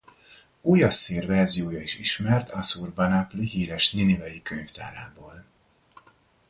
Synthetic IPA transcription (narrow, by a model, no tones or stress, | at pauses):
uːjɒseːrvɛrzijoːjɒiʃiʃmɛrt̪ʰɒsuːrbɒnapliɦiːɾɛʃninivɛjikøɲft̪aːɾaːboːl